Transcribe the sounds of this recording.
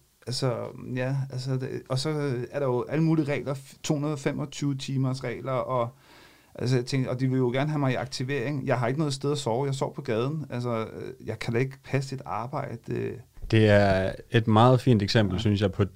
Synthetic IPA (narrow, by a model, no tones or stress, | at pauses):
ʔælsɒjæælsɒ̥ʔɒ̽sɒ̽æɐɾ̥ɑ̈jo̝ʔæləmuːliʁɛ̰ːɪlɐt͡sʰo̝̰ːhunɐðˠɒ̽femʔɒ̽t͡sʰyːʊt͡sʰiːmɐsʁɛ̰ːlɐɒ̽ | ʔæls̬ɒjat͡sʰeŋɡɒ̽d̥iʋe̝ljo̝ɡ̥æɐnəɦæmɑ̈ɪiɑ̈ɡ̥̚t͡sʰiʋe̝ɐ̰eŋjɑ̈ɪɦɑ̈e̝ɡ̥ənɔ̽ð̞̩ˠsd̥eð̞ˠɐsɒːʊjɑ̈ɪsɒ̰ːpʰɒ̽ɡ̥ɛːð̞ˠn̩ælsɒjɑ̈ɪkʰæd̥ɑe̝ɡ̥pʰæs̬id̥ɑ̈ːb̥ɑ̈ɪ̰d̥ed̥e̝æɐe̝d̥mɑ̈ːð̞̩ˠfḭːnd̥eɡ̥sem̰b̥l̩synsjɑ̈ɪpʰɒ̽